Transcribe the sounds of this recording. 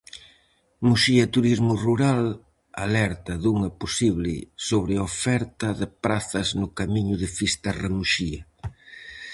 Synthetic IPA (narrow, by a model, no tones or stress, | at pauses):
muʃiɐt̪uɾizmʊruɾal | a̰lɛɾt̪ɐðuŋɐposiβlɪ̰soβɾɪaofɛɾt̪ɐðɪpɾaθɐznʊkamiɲʊðɪfist̪ɐremuʃiɐ